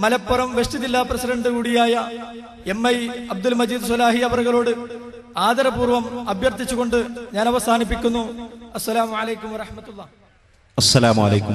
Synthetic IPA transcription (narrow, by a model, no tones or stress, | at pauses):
mɐlɐpːɐrɐmʋeʂt͡ɕiðilːaprɐsiɖɐɳɖɨkuːɽijaːjɐ | e̞mːɐjɐb̚d̪ulmɐd͡ʑiːd̪ɨs̬ɐlaːɦiɐʋɐrɣɐɭo̞ːɽɨ | aːd̪ɐɾɐbuːrʋɐmɐbʱjɐrt̪it͡ɕːuɣo̞ɳɖɨɲaːnɐʋɐsaːnip̬ːikʲːunːuɐsːɐlaːmuʕalejkːumʋɐrɐħmɐt̪ːulːaː | ɐsːɐlaːmuɐlejkum